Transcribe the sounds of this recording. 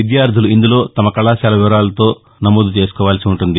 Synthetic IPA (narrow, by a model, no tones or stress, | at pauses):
id̪jaːɾd̪ʱuluind̪ulo̞ːt̪ɐmɐkɐɭaːʃaːlɐʋiʋɐɾaːlɐt̪o̞ː | nɐmoːd̪ut͡ʃe̞ːsu̥kɔːʋaːlɐsiuɳʈund̪i